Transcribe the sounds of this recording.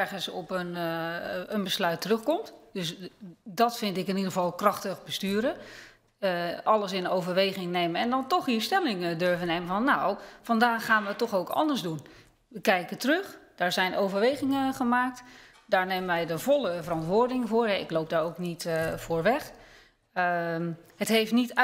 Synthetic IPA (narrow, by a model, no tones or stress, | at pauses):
ɹχənsɔpən | ənbəslœɥtərɵxkɔmtdøsdɔtfɪntɪkɪnidəʁəvɑlˠkrɑxtəχbəstyːɾə | əʔɑlˠəsɪnowvəɹʋejɣɪŋnejməɛndɔntɔxistɛlɪŋdøɹvənejməvɑnːawfɑndaːxaːnʋətːɔxowkɑ̰ndəɹszdun | ʋəkɛjkətərøχd̥aːɹzɛjnowvəɹʋejɣɪŋəχəmaːk̚t | d̥aːɹneːmənʋɛjdəvɔlˠəvərɑntʋʊːɹdɪŋəvoːɹɦɛɪ̰klowp̚daːɹowknitfoːɹʋɛx | hətɦejftnit